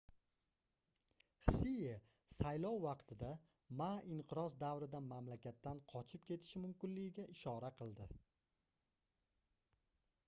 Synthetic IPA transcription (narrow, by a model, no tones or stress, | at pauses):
hsije | sajlˠɒwːɑqt̪ʰɪd̪a | maɪɴqɨɾɒzd̪avɾɪd̪amamlakʲat̪ːanqʰɒt͡ʃʰɪp̚kʲʰe̞t̪ʰɪ̥ʃɪmʊmkʲɪnlɪɡʲɪɡʲaʔɪʃɒɾaqʰɨlˠd̪ɪ